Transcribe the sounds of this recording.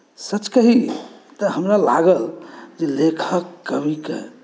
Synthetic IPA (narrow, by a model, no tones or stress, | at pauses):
sət͡ʃkəɦit̪əɦəmɾalaɡəld͡ʒelekʰəkːəbʱikḛ